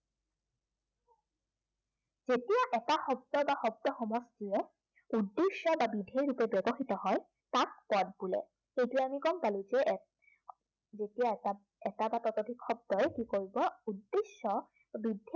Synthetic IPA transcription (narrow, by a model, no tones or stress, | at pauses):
z̥etijaʔɛtaxɔb̚dɔbaxɔb̚dɔxɔmɔstiɔ | udːesɔbabidʱeɹupebɛbɔxitɔɦɔj | tak̚pɔd̚bulɛ̰ | ejtʊɛamikɔmpalizɛ | zetijaa | ɛtabatɔtɔdʱikxɔb̚dɔjkikoɹibɔudːesːɔ | bidʱe